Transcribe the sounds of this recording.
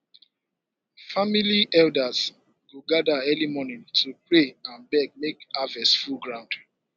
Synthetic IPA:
familiɛldaz | wuɡadaɛlimɔnĩntʰupɹeãnbɛɡ̚mekavɛsfulɡɹãʊ̃nd̥

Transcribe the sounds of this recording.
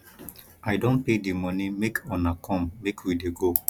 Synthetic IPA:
ʔajdõnpedimɔnimekʰɔ̃nakʰɔ̃mːekʰwideɡo

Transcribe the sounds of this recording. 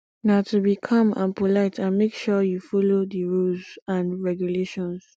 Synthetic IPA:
naʊtubikʰʌ̃mã̰npolaɪtʰãnmekʃɔjufɔlodiɹulzãnɹɛɡjuleʃɔ̃ns

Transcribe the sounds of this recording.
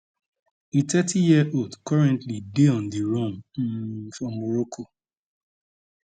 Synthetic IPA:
itɛtʰijiəʔoldkɔɹɛ̃ntlideɔ̃ndiɹɔ̃m̩ | fɹɔ̃mːɔɹɔkʰo

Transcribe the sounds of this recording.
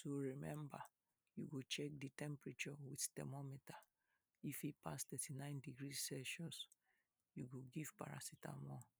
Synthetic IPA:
soɹimɛ̃mba | juɡot͡ʃɛk̚ditɛ̃mpɹit͡ʃɔwidtɛ̰mɔmita | ifipastɛtinãɪ̃ndiɡɹissɛʃɔ̃ns | juɡoɡiv̥pa̰ɹa̰sita̰mɔ̃

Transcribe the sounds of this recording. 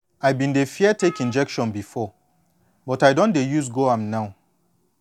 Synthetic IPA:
ajbĩndefiɛtekĩnd͡ʒɛkʃɔ̃nbifɔ | bɔtajdɔ̃ndejus̬ɡoãmnaʊ

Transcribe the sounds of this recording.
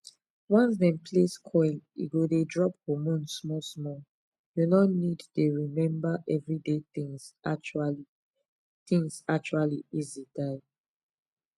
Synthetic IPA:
wɔ̃ns̬dɛ̃mpʰleskʰɔjnḭɡodedɹɔphomũnsmɔsmɔ | junɔnidteɹimɛ̃mbaʔɛvɹidetĩŋza̰t͡ʃuali | tĩŋsak̚t͡ʃualiizidaɪ

